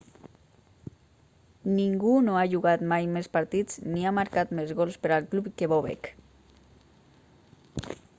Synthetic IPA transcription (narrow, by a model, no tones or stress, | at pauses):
niŋɡunoaʒuɣat̪majmespaɾt̪id͡zniamaɾkat̪mezɣɔlˠspəɾalˠklupkeβoβḛk